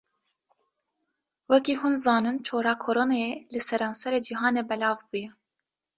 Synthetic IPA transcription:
wɛkiːhuːnzɑːnɨnt͡ʃʰoːɾɑːkʰoɾoːnɑelɨsɛɾɑːnsɛɾeːd͡ʒiɦɑːneːbɛlɑːvbuːjɛ

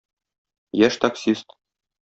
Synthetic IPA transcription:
jæʃt̪aksʲist̪

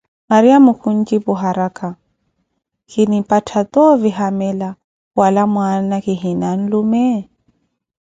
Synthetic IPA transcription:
maɾiamukʰun̩kiβuɦaɾakʰa | kinipatʰat̪ɔviɦamɛla | walamwanaɣiɦinan̩lumɛ

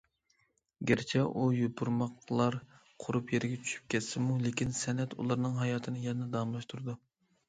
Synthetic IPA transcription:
ɡʲeɾt͡ʃʰɛʔujobuɾmɑqlˠɑɾ | qʰʊɾupjeɾɪɡʲɛt͡ʃʰy̥ʃy̥p̚kʲʰɛt̪sɪmulekʲinsɛnɛt̪ṵlˠɑɾnɨŋɦɑjɑːt̪ʰɨnɨjɛnɛd̪ɑmlˠɑʃt̪ʰuɾd̪u

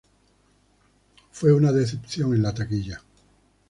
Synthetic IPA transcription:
fwe̞unaðeθepθjo̞ŋenlat̪akiʎa

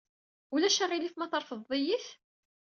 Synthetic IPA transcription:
ulæʃəʁiliθmæθəɾˤfəðˤːijiθ

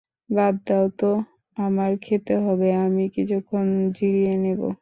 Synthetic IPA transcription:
bab̚d̪awt̪o | amaɾkʰet̪eɦɔbeamikit͡ɕʰukʰːond͡ʑiɾienebo̰

